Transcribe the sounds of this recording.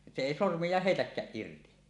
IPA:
se eˑi sormijˑɑːh heitækːæːʔ ʔirti

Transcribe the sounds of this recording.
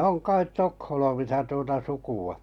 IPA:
oŋ kɑit tokholmisɑ tuotɑ sukuɑ

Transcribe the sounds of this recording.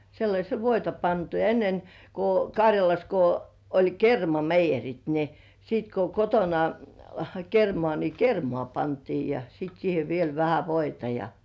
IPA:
selːɑsʲel ʋoitɑ pɑntu jɑ enːen ko kɑrʲjɑlɑs ko olʲ kermɑmeijerit ni siːt ko kotonɑ kermŏɑˑ ni kermŏɑˑ pɑntiː jɑ sit siːhe ʋiel ʋæhæ ʋoitɑ jɑ

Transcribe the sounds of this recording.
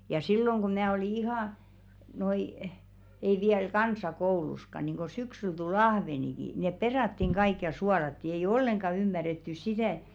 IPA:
jɑ silːoŋ ɡ̊o mæː oli ihɑˑ noi ei ʋiæl kɑnsɑkouluskɑ niŋko syksyl tul ɑhʋeniki neˑp perɑˑtːiŋ ɡ̊ɑik jɑ suɑlɑtːi eij olːeŋɡ̊ɑ ymːærːetːys sitæˑ ĕ̥t̆

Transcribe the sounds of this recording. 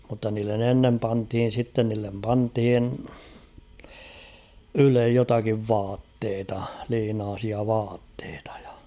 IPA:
mutːɑ niːlːen enːem pɑnthin̞ sitːen niːlːem pɑnthin ylej jotɑkiʋ ʋɑːtːeːtɑ liːnɑːsiɑ ʋɑːtːeːtɑ̥ j̊ɑ̥

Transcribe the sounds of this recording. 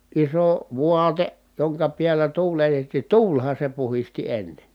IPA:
iso ʋuɑte joŋkɑ piælːæ tuːletetːiˑ tuːlhɑ se puhisti enːen

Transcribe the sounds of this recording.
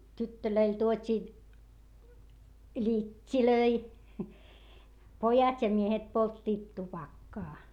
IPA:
tytːøløil tuotʲiː lʲitʲːiløi pojɑt jɑ miehet poltːiːt tupɑkːɑː

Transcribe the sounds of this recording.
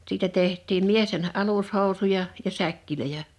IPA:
siːtæ tehtˑiːm miesten ʔɑlushoˑu̞sujɑ jɑ sækːiløjæ

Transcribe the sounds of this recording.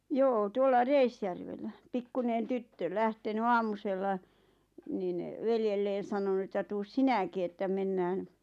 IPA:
joː tuolːɑ reisjærʋelːæ pikːunen tytːø læhteny ɑːmuselːɑ niːn ʋeljelːeːn̞ sɑnonu etːæ tuːs sinæki etːæ menːæːn

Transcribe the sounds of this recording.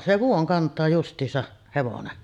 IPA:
se ʋuoŋ kɑntˑɑː justˑiːsɑʔ heʋonen

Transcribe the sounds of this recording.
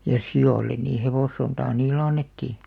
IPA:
jɑ sioˑlːen niː heʋoˑsːontɑː niːlˑĕ ɑnːetːiˑ

